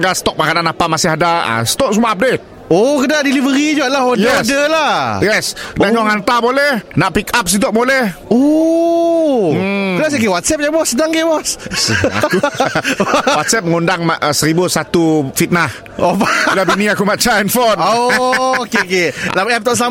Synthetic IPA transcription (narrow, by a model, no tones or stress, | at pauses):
ŋɡasə̥t̪ɔk̚makadanapamasɪhadaa̰sə̥t̪ɔʔ̚sumuaap̚det̪̚ | okədaʔdilivəɾid͡ʒuaʔlahojəɛosdəlajɛsdaɲɔŋhant̪abolɛhnaʔpikap̚s̬it̪̬ɔʔbolɛho | əlas̬ekewat̪sɛp̚d͡ʒabɔsədaŋɡebɔsa̰k | wat̪sɛp̚məŋundaŋmasəɾibusat̪ufit̪̚nah | opailabinĩakumat͡ʃaɛnfɔno | kekelamɛp̚t̪ɔʔsəla